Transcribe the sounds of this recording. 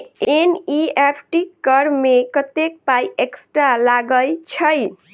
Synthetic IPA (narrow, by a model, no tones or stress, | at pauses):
eniepʰʈikʌɾmekʌt̪ek̚pajeksʈɾalaɡəjt͡ʃʰʌj